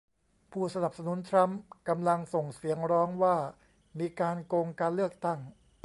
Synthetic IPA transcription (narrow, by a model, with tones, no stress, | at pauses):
pʰuː˥˩sa˧na˨˩p̚sa˧nu˨˩˦nt̪ʰɾa˦˥mka˧mla˧ŋso˨˩ŋsi˩˦əŋɾɔː˦˥ŋwaː˥˩ | miː˧kaː˧nko˧ŋkaː˧nlɯ˥˩ək̚t̪a˥˩ŋ